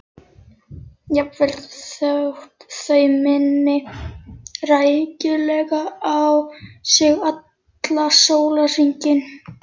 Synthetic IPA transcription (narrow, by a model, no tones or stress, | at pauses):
japvɛlt̪θaht̪θœjmɪnːɪ | rajcɪlɛɣaawsɪɣat̪ | lasoːwlariɲcɪn